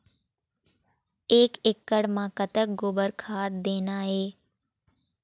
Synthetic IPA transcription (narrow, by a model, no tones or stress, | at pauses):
eːkɪkːəɽmãːkət̪ək̚ɡoːbəɾkʰaːt̪̚d̪eːnaːɦeː